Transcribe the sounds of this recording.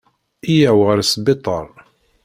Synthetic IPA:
ijæwʁəɾsbɪt̪ˤəɾˤ

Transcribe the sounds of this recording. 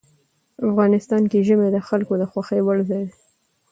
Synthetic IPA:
afɣɑnɪst̪ɑnkeʒəmed̪əxalkod̪əxwaxejwəɽzɑjd̪e

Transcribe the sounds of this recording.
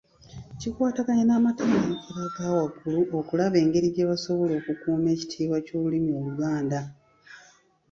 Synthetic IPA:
cikwaːtakaɲanaːmatamaeɾaɡaːwaɡuluʔokulaβe̞ːŋɡe̞ɾiɟeβaso̞βolo̞ːkukuːme̞ːci̥tʰiːβwaco̞ːβulimioβuɡaːnda

